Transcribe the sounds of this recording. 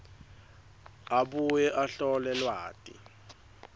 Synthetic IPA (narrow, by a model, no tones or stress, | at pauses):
aɓujɛʔaɬɔlɛlwa̰ːtʼḭ